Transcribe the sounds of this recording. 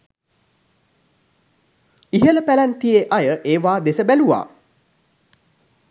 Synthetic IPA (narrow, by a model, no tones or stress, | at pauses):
iɦələpælænt̪ijeʔajəʔeːʋaːd̪esəbæluʋa̰ː